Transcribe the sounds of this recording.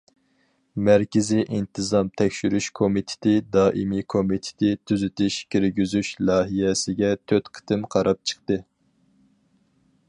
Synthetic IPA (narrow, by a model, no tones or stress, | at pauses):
mæɾkʲɪziʔint̪ʰɨzɑmt̪ʰɛkʲʃyɾyʃkʰomit̪ʰɪ̥t̪ʰɪd̪ɑːʔimikʰomit̪ʰɪ̥t̪ʰɪt̪ʰyzyt̪ʰɪʃkʲʰeɾɡʲyzyʃlˠɑːɦijɛsɪɡʲɛt̪ʰøt̪qʰə̥t̪ʰɨmqʰɑɾɑp̚t͡ʃʰə̥q̚t̪ɨ